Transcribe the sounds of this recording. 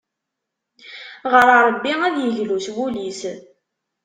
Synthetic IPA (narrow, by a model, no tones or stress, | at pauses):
ʁəɾəɾˤəbːiŋæðjəʝluswulis